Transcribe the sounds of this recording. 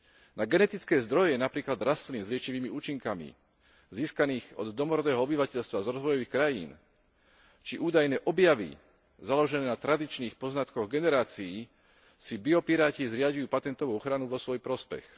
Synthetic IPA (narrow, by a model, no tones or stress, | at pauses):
naɡɛnɛt̪it͡skɛːzd̪ɾɔjɛjɛnapɾiːklad̪ɾast̪liːmzlɪɛt͡ʃiʋiːmiuːt͡ʃiŋkamḭ | ziːskaniːɣɔ̰d̪ːɔmɔɾɔd̪ɛːɦɔɔbiʋacɛʎst̪ʋazɾɔzʋɔjɔʋiːxkɾajḭːn | t͡ʃiʔuːd̪ajnɛːʔɔbjaʋḭ | zalɔʒɛnɛːnat̪ɾad̪it͡ʃniːxpɔznat̪kɔɣɡɛnɛɾaːt͡sii | sibiɔpiɾaːcizɾɪaɟijuːpat̪ɛnt̪ɔʋuːɔxɾanuʋɔsʋɔjpɾɔspɛ̰x